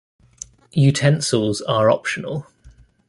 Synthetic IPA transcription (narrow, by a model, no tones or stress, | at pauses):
jʉtʰɛ̃nsəlˠzəɹɒ̰pʃənə̰lˠ